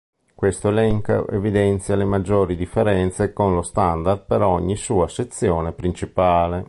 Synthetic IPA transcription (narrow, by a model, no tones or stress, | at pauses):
kwest̪oelɛŋka̰ʔḛvid̪ɛnt̪sjalemad͡ʒːoːɾid̪ifːeɾɛnt̪sekonlost̪and̪ard̪̚peɾɔɲːisuːaset̪sːjɔːnepɾint͡ʃipaːle